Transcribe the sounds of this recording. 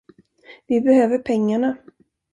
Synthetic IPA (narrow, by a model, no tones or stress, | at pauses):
vɪbɛhøːvəɾpʰɛŋːaɳa